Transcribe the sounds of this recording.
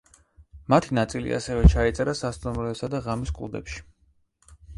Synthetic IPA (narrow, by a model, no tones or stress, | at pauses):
mat̪ʰinat̪sʼilḭʔa̰sɛvɛt͡ʃʰait̪sʼɛɾasast̪ʼumɾɔɛsad̪aʁamiskʼuud̪ɛ̰pʃi̥